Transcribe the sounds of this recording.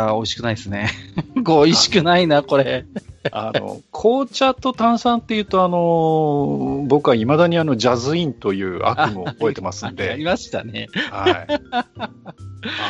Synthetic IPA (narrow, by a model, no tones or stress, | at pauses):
o̞iɕi̥kɯnaid̪esɨne̞koiɕi̥kɯ̟nainako̞ɾe̞a̰no̞̰kʰo̞ːt͡ɕat̪o̞t̪ãɰ̃sãnt̪ːe̞jɯ̟ːt̪o̞ano̞ | bo̞kɯaimad̪aɲ̟iano̞d͡ʑazɨĩnt̪o̞jɯ̟ːa̰kɯmɯobo̞et̪e̞masɨ̃nd̪e̞aɾʲimaɕi̥t̪a̰ne̞hai